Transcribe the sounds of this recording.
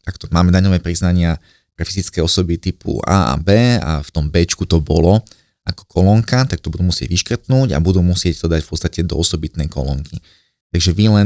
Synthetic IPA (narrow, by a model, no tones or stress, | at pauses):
t̪akt̪ɔmaːmɛd̪aɲɔʋɛːpɾiznaɲɪa | pɾɛfizit͡skɛːɔsɔbit̪ipṵa̰ːʔa̰bɛːa̰ft̪ɔmbɛːt͡ʃkut̪ɔbɔlɔ | akɔ̥kʰɔlɔŋkat̪ak̚t̪ɔbud̪uːmusɪɛ̰ɟʋiʃkr̩t̪nuːɟa̰bud̪uːmusɪɛct̪ɔd̪acfpɔtt͡st̪acɛd̪ɔ̰ɔsɔbit̪nɛjkɔ̰lɔ̰ŋkʰi | t̪aɡʒɛʋilɛ